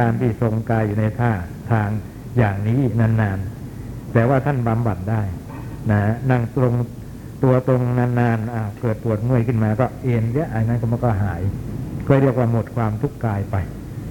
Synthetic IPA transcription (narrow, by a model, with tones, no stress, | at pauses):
kaː˧nt̪ʰiː˥˩so˧ŋkaː˧jːuː˨˩na˧jt̪ʰaː˥˩ | t̪ʰaː˧ŋ | jaː˨˩ŋniː˦˥naː˧nːaː˧nt̪ɛː˨˩waː˥˩t̪ʰa˥˩nba˧mba˨˩t̪̚daː˥˩j | na˦˥na˥˩ŋt̪ɾo˧ŋ | t̪u˧ɐt̪o˧ŋnaː˧nːaː˧nʔa˧˩kɤː˨˩t̪̚pu˨˩ət̪̚mɯ˥˩əjkʰɯ˥˩nmaː˧kɔː˥˩ʔeː˧nli˦˥ʔa˧˩jna˦˥nkʰːmaː˧˩kɔː˥˩ɦaː˩˦jkɔː˥˩ɾi˥˩ək̚waː˥˩mo˨˩t̪̚kʰwaː˧mt̪ʰu˦˥˩kːaː˧jpa˧j